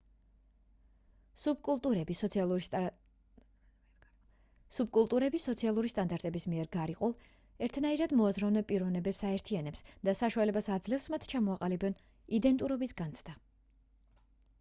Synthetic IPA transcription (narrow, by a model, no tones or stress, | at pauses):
sub̚kʼulˠt̪ʼuɾɛbis | sub̚kʼulˠt̪ʼuɾɛbisɔt̪sʰialˠuɾist̪ʼand̪aɾt̪ʼɛbismiɛɾɡaɾiqʼulˠ | ɛɾt̪ʰnaiɾad̪mɔazɾɔvnɛpʼiɾɔvnɛbɛpsaɛɾt̪ʰianɛpsd̪asaʃualɛbasad̪zlɛfsmat̪ʰt͡ʃʰamɔaqʼalibɛn | id̪ɛnt̪ʼuɾɔbisɡant̪sʰd̪a